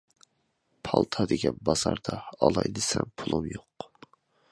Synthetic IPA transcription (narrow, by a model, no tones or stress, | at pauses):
pʰɑlˠt̪ʰɑd̪ɪɡʲɛnbɑz̥ɑɾd̪ɑɑlˠɑjd̪ɨsɛmpʰulˠumjoq